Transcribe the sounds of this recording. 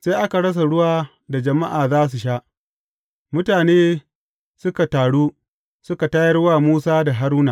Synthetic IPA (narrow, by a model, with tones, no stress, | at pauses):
se˦jʔa˦ka˨ɽɐ˦s̬a˨ɽʊ˦waː˦ | da˨d͡ʒɐ˨ma˦ʔaː˨zaː˦s̬u˨ʃaː˦ʔ | mʊ˦taː˨neː˦ | sʊ˦ka˨taː˨ɽuː˦ | sʊ˦ka˨ta˦jɐ˦rwaː˦˨muː˦saː˦da˨ɦa˦ɾuː˦naː˨